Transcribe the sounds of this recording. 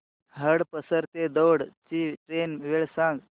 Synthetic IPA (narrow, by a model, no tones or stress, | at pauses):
ɦəɽpəsəɾt̪ed̪oɽt͡ʃiʈɾenʋeɭsãŋɡ